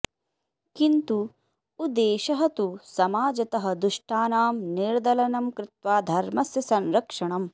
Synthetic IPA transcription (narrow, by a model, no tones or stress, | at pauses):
kint̪uː | d̪eːʃɐɦɐt̪usɐmaːd͡ʒɐt̪ɐɦɐ̆d̪uʂʈaːnaːmniɾd̪ɐlɐnɐmkɾɪt̪ʋaːd̪ʱɐɾmɐsjɐsɐnɾɐkʂɐɳɐm